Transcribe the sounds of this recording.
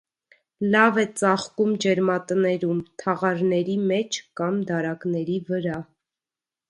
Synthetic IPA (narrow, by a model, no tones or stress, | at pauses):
lɑvɛt͡sɑχkumd͡ʒɛɾmɑt̪ənɛɾumt̪ʰɑʁɑɾnɛɾimɛt͡ʃʰkɑmd̪ɑɾɑknɛɾivəɾɑ